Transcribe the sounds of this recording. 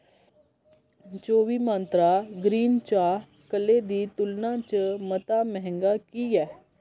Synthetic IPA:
t͡ʃoːʋiːmãnt̪ɾaːɡɾiːnt͡ʃaː | kəlːeːd̪iːt̪ʊlnãːt͡ʃəmət̪aːmɛɦɛ̃ŋɡaːkiːɛː

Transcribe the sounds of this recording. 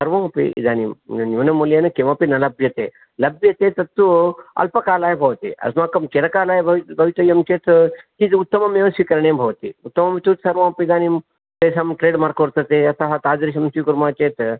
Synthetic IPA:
sɐɾʋãːpḭḭd̪aːnimnjuːnɐmuljɐnɨkemɐpinɐlɐbjɐt̪eː | lɐbʱjɐt̪et̪ɐt̪uɐ̰lpɐkaːlaːjbʱɐʋt̪ḭɐ̰smaːkɐmt͡ʃeɾɐkaːlaːjbɐbʱɐʋit̪ɐjɐmt͡ʃeːt̪t̪it̪ut̪ːɐmɐmjɐʋɐsʋikɐɾɳ̃embʱɐʋɐt̪ḭut̪ːɐmɐmt̪ut̪sɐɾʋãːpid̪aːnim | t̪esɐmʈɾeːɖmaːɾkoɾt̪ɐt̪eɐsaɦɐt̪aːzɾiʃɐmsikuɾmaːt͡ʃeːt̪

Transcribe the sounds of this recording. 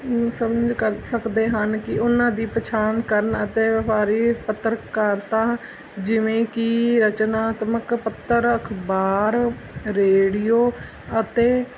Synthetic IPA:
səməd͡ʒkəɾsəkd̪eːɦənkɪʔʊnãːd̪iːpɾət͡ʃʰaːnkəɾənət̪eːʋəpaːɾiːpət̪ːəɾkəɾt̪ãː | d͡ʒɪʋẽːkɪɾət͡ʃnaːt̪məkpət̪ːəɾəkʰbaːɾ | ɾeːɽɪjoː | ət̪eː

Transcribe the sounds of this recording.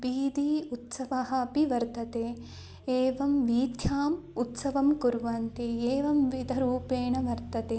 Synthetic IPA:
ʋiːd̪iːut̪sɐʋɐɦɐ̆ɐpiʋɐɾt̪ɐt̪eː | eːʋɐmʋiːd̪ʱjaːm | ut̪sɐʋɐmkuɾʋɐnt̪ieːʋɐmʋid̪ʱɐɾuːpeːɳɐʋɐɾt̪ɐt̪eː

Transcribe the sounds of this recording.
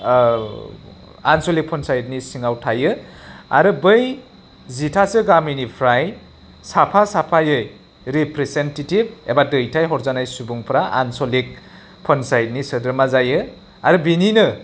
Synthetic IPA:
ansolik̚pʰɔnsajt̚nisiŋawtʰajɯa̰ɾɯbɯj | zitʰasɯɡaminipʰɾaj | sapʰasapʰajɯj | ɾipɾesentetib̚ḛbadɯjtʰajɦɔɾzanajsubuŋpʰɾaʔa̰nsolik̚ | pʰɔnsajt̚nisɯdɯɾmazajɯ | aɾɯbininɯ

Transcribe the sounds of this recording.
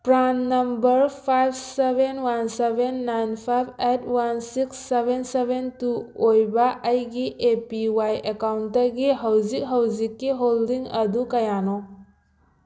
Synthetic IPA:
pɾanːɐmbɐɾpʰajb̚sebenwansebenːajnpʰajbʰet̚ʰwansiksːebʱensebʱentuojbɐʔɐjɡiʔepiwajekawnttɐɡiɦɐwzik̚ɦɐwzikːiɦoldiŋɐdukɐjano

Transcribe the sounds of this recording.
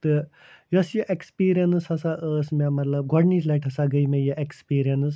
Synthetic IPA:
t̪ɨ | jɐsjəʔekspiːɾijɐnshɐsaʔəːsmemɐt̪lɐb̚ɡʱɔɽnislɐjʈʰɐsaɡəjmejəʔekspiːɾijɐnɨs

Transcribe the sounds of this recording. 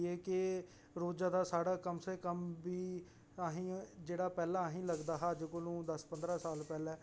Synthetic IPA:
eːkɪ | ɾoːd͡ʒaːd̪aːsaːɽaːkəmseːkəmbiː | aɦĩːd͡ʒeːɽaːpɛːlaːɦĩːləɡd̪aːɦaːd͡ʒkolũːd̪əspənd̪ɾaːsaːlpɛːlɛː

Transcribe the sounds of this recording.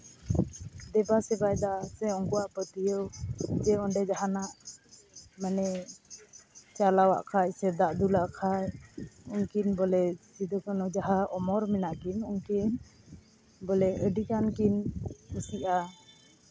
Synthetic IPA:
d̪ɛbasɛbajd̪asɛɔŋkuaʔpət̪ijəwd͡ʒɛɔɳɖɛd͡ʒaɦanaʔ | mɛnɛ | t͡ʃalawa̰ʔkʰajsɛd̪aʔd̪ulaʔkʰajuŋkinbɔlɛsid̪ɔkanɔd͡ʒaɦaɔmɔɾmɛnaʔkinuŋkin | bɔlɛəɖikankinkəsiʔa

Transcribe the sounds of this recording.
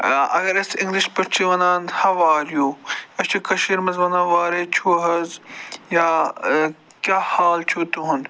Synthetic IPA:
ɐ̰ɡɐɾɐsiŋɡliʃpɐʈt͡ʃʰiʋɐnaːnhɐʋaːɾjuːɐt͡ʃʰikɐʃiɾmɐzʋɐnãːʋaːɾeːt͡ʃʰuɦɐzjaː | kʲaːhaːlt͡ʃʰuːt̪uɦun

